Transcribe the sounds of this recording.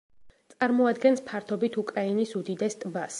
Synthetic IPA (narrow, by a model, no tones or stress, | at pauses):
t̪sʼaɾmɔad̪ɡɛnspʰaɾt̪ʰɔbit̪ʰukʼɾainisud̪id̪ɛst̪ʼbas